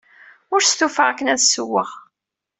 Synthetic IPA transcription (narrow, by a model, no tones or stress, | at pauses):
ʊɾst̪ufəʁækːənæðsːuwːəʁ